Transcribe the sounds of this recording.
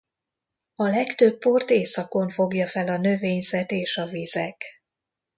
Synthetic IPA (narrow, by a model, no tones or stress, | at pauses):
ɒlɛkt̪øpːo̞rt̪eːsɒko̞ɱfo̞ɡjɒfɛlɒnø̞veːɲzɛt̪eːʃɒvizɛk